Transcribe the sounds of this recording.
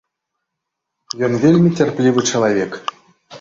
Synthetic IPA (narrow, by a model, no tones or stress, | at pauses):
jʲɘ̆nvʲelʲmʲetʲerʲpʲlʲiʋɨ̆t͡ɕɤ̆lˠɑvʲek